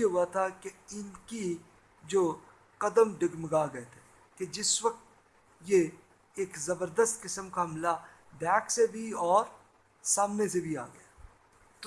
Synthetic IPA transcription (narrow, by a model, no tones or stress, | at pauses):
eɦʊat̪ʰakeɪnki | d͡ʒoː | qɐd̪əmɖɪɡməɡaːɡɐet̪ʰe̥ː | ked͡ʒɪswɐk̚t̪ | je | eːkzɐbəɾd̪əst̪kɪsəmkaɦɐmla | b̪ɛːksebʱiɔːɾ | saːmnesebʱia̰ːɡɐja | t̪